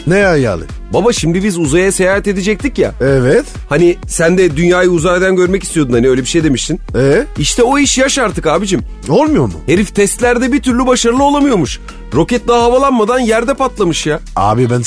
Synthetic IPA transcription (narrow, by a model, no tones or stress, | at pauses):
nejaja̰lˠɯ̰ | babaʃimd̪ibizuzajasejaːhɛt̪e̞d̪ed͡ʒɛc̚t̪ʰicja̰ɛvɛt̪ | hanisænd̪ɛd̪ynjaːjɯuzaɾad̪ænɟø̞ɾmɛcist̪ijo̞d̪unhaniøjlʲebiʃe̞jd̪e̞miʃt̪inɛiʃt̪ʰɛo̞iʃjaʃaɾt̪ʰɯkaːbid͡ʒim | olˠmujo̞ɾmṵhe̞ɾift̪ʰɛst̪lʲæɾd̪ɛbit̪ʰyɾlʲybaʃaɾɯlˠɯolˠamɯjo̞ɾmuʃ | ɾo̞cɛt̪̚d̪aːɦavalˠanmad̪anjæɾd̪ɛpat̪lˠamɯʃjaa̰ːbibæn